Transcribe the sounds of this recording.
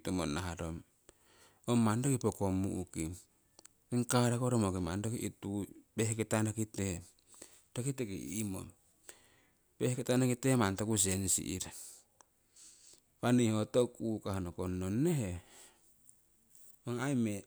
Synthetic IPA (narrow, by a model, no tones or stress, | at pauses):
tomo̰naɦaɾom | omandokipokomṵʔuki | keŋkaɾakoɾomokimandokiʔitupehketanakite | tokitekḭimo̰m | pehketanakitemantokus̬ensḭʔḭɾ | panejhotokukahanokonːonːeɦe | oŋajme